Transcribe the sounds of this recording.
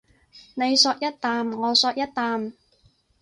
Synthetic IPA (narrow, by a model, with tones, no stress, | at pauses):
ne˨˧jsɔː˧k̚jɐ˥t̚t̪aː˨˧mŋɔː˨˧sɔː˧k̚jɐ˥t̚t̪ːaː˨˧m